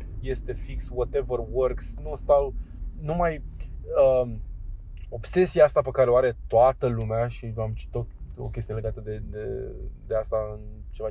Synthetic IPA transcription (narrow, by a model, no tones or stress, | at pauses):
je̞st̪e̞fikswɔt̪evərwərksnust̪aw | numajə | o̞bse̞siaast̪apekaɾeoaɾe̞t̪oat̪əlumeaʃivamt͡ʃi̥t̪oo̰kʲe̞st̪ijele̞ɡat̪əd̪e̞d̪ed̪e̞ast̪aɨn | t͡ʃe̞va